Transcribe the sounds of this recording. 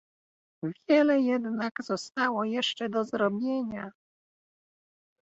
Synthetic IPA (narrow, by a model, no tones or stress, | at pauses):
vʲjɛlɛjɛd̪naɡz̥ɔst̪awɔjɛʂt͡ʂɛd̪ɔzɾɔbʲjeɲa